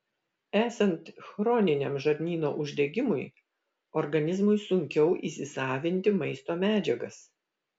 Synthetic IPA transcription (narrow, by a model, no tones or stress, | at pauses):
æːsɐnt̪xɾɔːnʲɪnʲemʒɐɾʲnʲiːno̰ːʔʊʒʲd̪ʲɛɡʲɪmʊɪ | ɔɾɡɐnʲɪzmʊɪsʊŋʲkʲɛʊʔiːsʲɪsɑːʋʲɪnʲt̪ʲɪmɐɪst̪oːmʲæːd͡ʒʲɛɡɐs